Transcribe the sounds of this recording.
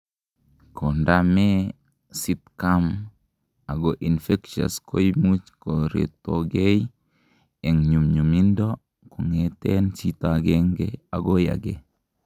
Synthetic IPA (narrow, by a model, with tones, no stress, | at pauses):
kʰo˨ndame˦ | sitkam | a˨ɡo˨ʔi˨nfe˦kʃa̰˨sko˦jmu˦t͡ʃko˨ɾḛtːoɡe˦j | e˨ŋɲu˨mɲu˨mi˦ndo˦ | ku˨ŋetent͡ʃitaɡeŋɡea˨ɡo˦ja̰˨ɡe